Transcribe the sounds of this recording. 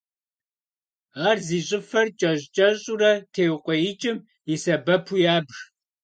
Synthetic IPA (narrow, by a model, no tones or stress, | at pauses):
aːrziːɕʼɪfɐrt͡ʃʼɐɕt͡ʃʼɐɕʼuɾɐtʰeːwqʷɔjɪt͡ʃʼɪm | isɐbɐpʰujaːbʒ